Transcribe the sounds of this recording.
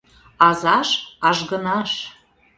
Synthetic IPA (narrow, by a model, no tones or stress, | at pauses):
ɑzɑʃɑʒɣənɑʃ